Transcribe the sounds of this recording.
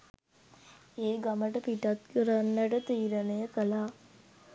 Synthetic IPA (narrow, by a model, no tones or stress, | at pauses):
eːɡaməʈəpiʈat̪kəɾanːəʈət̪iːɾənəjəkəlaː